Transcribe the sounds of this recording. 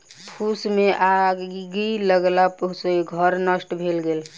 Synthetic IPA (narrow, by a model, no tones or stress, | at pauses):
pʰusmeʔaɡiləɡlapəseɡʱəɾnəsʈbʱelɡel